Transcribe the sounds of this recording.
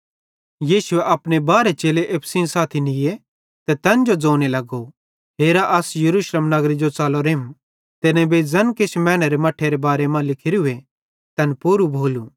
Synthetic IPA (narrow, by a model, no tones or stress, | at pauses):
jiːsʊeʔɐpɽebaːɾet͡ʃeːleʔeːpʰsinsaːt̪ʰinɪje | t̪ɛt̪ɐnd͡ʒod͡zoːñelɐɡo | ɦeːɾaʔɐsjɐɾuːʃleːmnɐɡɾid͡ʒot͡saːloɾeːm | t̪enẽbed͡zɐnket͡ʃʰmɛ̃ːñɐɾemɐʈʰːeɾebaːɾemãlɪkʰɪɾiue | t̪ɐnpuːɾubʱoːlu